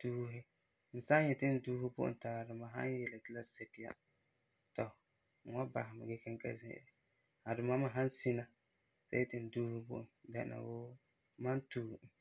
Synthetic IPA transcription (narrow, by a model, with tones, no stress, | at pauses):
duː˦ɦɪ˦ | n̩˨sa˦ɲjɛ˨tɪ˦n̩˦duː˦hɪ˦bʊ̰˦ʔʊ̰˨nta˨a˨dʊ˨ma˨ɦa̰˦n˦jɛ˨la˨tɪ˦la˦sɛ˨kɪ˨ja̰˦ | tɔ˨ | ŋ̩˨wa˦ba̰˨ɦɪ˨mɪ˨ɡɛ˦kɪ˦ŋ˦ka̰˦zɪ̰̃˦ʔɾɪ˨ | ha˨dʊ˨ma˦ma˨ɦa˦nsi˦na˨ | sa̰˦jɛ˦tɪ˨n̩˨duː˦hɪ˦bʊ̰˦ʔʊ˨nda˦˨na̰˨woː˦ | ma˦ntuː˦˨